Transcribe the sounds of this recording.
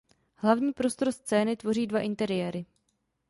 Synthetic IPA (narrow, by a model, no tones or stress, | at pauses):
hlavɲiːpɾo̞st̪oɾst͡sɛːnɪt̪vo̞riːdvaʔɪnt̪ɛɾɪjɛːɾɪ